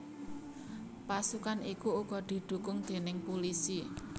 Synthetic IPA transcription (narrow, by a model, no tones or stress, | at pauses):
pasukanikuuɡ̥ɔ̤d̪̥i̤d̪̥ṳkʊŋd̪̥e̤nɪŋpulisi